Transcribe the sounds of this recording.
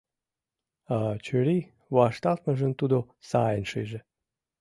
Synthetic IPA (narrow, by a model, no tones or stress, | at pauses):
ɑt͡ɕøɾi | βɑʃt̪ɑlt̪̚məʒənt̪ud̪o | sɑjənʃejʒĕ